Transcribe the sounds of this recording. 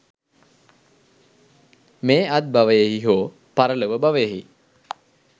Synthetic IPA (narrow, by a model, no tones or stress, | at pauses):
meːat̪̚baʋəjeɦiɦoː | paɾələʋəbaʋəjɦḭ